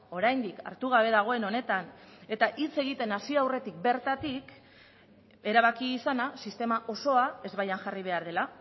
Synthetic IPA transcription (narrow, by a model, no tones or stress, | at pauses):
o̞ɾajnd̪ika̰ɾt̪uɣ̞aβe̞ðaɣ̞o̞e̞no̞ne̞t̪ane̞t̪aʔit͡se̞ɣ̞it̪e̞nasiawre̞t̪ik̚be̞ɾt̪at̪ik | e̞ɾaβ̞akiːsanasist̪e̞maʔo̞so̞ae̞zβajaŋʝariβ̞e̞aɾðe̞la